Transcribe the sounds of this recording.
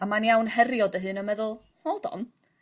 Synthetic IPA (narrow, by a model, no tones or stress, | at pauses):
amanjawnhɛrjɔdəɦɨːnəmɛðʊlˠ | mɔdɔ̰n